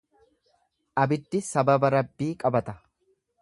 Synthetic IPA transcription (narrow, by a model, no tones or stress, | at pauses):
ʔɐbɪd̪ːɪsɐbɐbɐɾɐbːiːkʼɐbɐt̪ɐ